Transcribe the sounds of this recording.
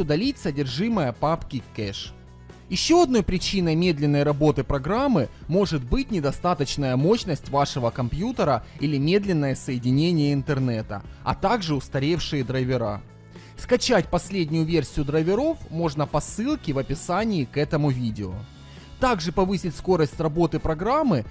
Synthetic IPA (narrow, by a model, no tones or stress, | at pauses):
ʊd̪ɐlʲit̚ʲsədʲɪrʐɨməjəpapkʲɪkɛʂ | jɪɕːo̞ɐd̪no̞jpɾʲɪt͡ɕinəjmʲe̞d̪lʲɪnːəjɾɐbo̞t̪ɨpɾɐɡɾamːɨmo̞ʐɨt̪̚bɨtʲnʲɪd̪ɐst̪at̪ət͡ɕnəjəmo̞ɕnəsʲtʲvaʂɨvəkɐmpjut̪əɾəilʲɪmʲe̞d̪lʲɪnːəjəsəjɪdʲɪnʲenʲɪjəɪnt̪ɨrnɛt̪ə̰ɐ̰t̪aɡʐɨʊst̪ɐɾʲefʂɨjɪd̪ɾɐvʲɪɾa̰ | skɐt͡ɕætʲpɐsʲlʲedʲnʲʊjʊvʲe̞rsʲɪjʊd̪ɾɐvʲɪɾo̞fmo̞ʐnəpɐsɨlˠkʲɪvɐpʲɪsanʲɪːkɛt̪əmʊvʲidʲɪo̰ | t̪aɡʐɨpɐvɨsʲɪtʲsko̞ɾəsʲtʲrɐbo̞t̪ɨpɾɐɡɾamːɨ